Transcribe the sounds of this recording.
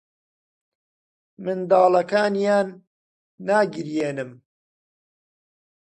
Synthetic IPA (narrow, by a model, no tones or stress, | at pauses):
mɨnd̪ɑːlɐkaːnjaːnː | aːɡɨɾjeːnɨm